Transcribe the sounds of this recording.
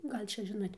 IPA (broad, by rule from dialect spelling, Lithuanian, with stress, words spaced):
ˈɡɐlʲ ˈt͡ʃʲɛ ˈʒʲɪnoːtʲ